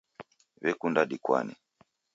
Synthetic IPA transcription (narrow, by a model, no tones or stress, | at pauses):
βɛkundaɗikwa̰nḭ